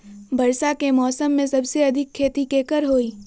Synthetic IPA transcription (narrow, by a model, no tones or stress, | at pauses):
bɐɾsakemɔːsəmːẽsɐbseɐd̪ʱɪkʰːeːt̪ikeːkəɾɦoːiː